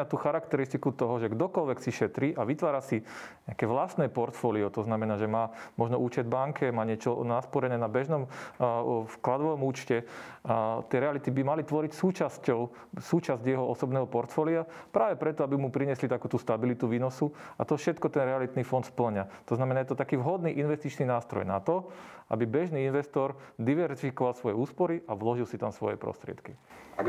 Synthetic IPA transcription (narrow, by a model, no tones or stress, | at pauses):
at̪uːxaɾakt̪ɛɾist̪ikut̪ɔɦɔʒɛɡd̪ɔkɔlʋɛksiʃɛt̪ɾiːʔaʋit̪ʋaːɾasiɲɛakɛːʋlast̪nɛːpɔɾt̪fɔːliɔt̪ɔznamɛnaːʒɛmaːmɔʒnɔʔuːt͡ʃɛd̪baŋkʰɛmaːɲɪɛt͡ʃɔnaspɔɾɛnɛːnabɛʒnɔm | fklad̪ʋɔʋɔmuːt͡ʃcɛ | t̪ɪɛɾɛalit̪ibimalit̪ʋɔɾicsuːt͡ʃascɔʊ | suːt͡ʃazɟjɛɦɔɔsɔbnɛːɦɔpɔɾt̪fɔliapɾaːʋɛpɾɛt̪ɔabimupɾiɲɛslit̪akuːt̪uːst̪abilit̪uʋiːnɔsuat̪ɔfʃɛt̪kɔt̪ɛnɾɛalit̪nifɔnt̪spl̩ɲat̪ɔznamɛnajɛt̪ɔt̪akiːʋɦɔd̪niːʔinʋɛst̪it͡ʃninaːst̪ɾɔ̰jnat̪ɔʔa̰bibɛʒniːinʋɛst̪ɔɾ | d̪iʋɛɾsifikɔʋalsʋɔjɛuːspɔɾiʔaʋlɔʒilsit̪amsʋɔ̰jɛ̰pɾɔ̰st̪ɾɪɛ̰t̪kia